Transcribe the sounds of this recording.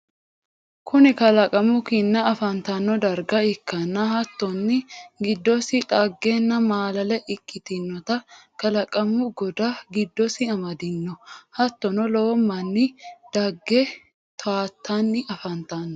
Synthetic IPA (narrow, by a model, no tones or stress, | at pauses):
kʰʊnɪkɐlɐkʼɐmʊkɪnːɐɐfɐnt̪ɐnːɔd̪ɐɾɡɐɪkːɐnːɐɦɐt̪ːɔnːɪɡɪd̪ːɔsɪᶑʼɐɡːenːɐmaːlɐlɛʔɪkʼːɪt̪ɪnːɔt̪ɐkɐlɐkʼɐmːʊɡɔd̪ɐɡɪd̪ːɔsɪɐmɐd̪ɪnːɔhɐt̪ːɔnɔlɔwɔmːɐnːɪd̪̥ɐɡːɛ | t̪ʰaːt̪ːanːɪɐfɐnt̪aːnːɔ